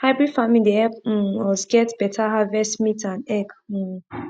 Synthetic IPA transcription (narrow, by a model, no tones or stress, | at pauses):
haɪbɹid̥fãmĩdeɛp̩wɔsɡɛtb̥ɛtʰaɦavɛstmitãnɛk̩